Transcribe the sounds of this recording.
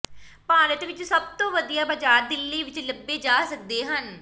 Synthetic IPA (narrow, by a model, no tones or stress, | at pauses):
paːɾət̪ʋɪt͡ʃsəb̚t̪õːʋəd̪ijaːbəd͡ʒaːɾd̪ɪlːiːʋɪt͡ʃləbːeːd͡ʒaːsək̚d̪eːɦən